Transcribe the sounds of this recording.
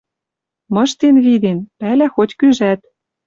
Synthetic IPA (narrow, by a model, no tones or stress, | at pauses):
mɤ̆ʃt̪enβid̪enpælæxotʲkyʒæt̪